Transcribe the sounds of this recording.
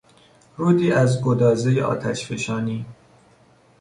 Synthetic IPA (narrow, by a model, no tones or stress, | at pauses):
ɾuːd̪iːʔæzɡod̪ɒːzejeʔɒ̰ːt̪ʰæʃfeʃɒːniː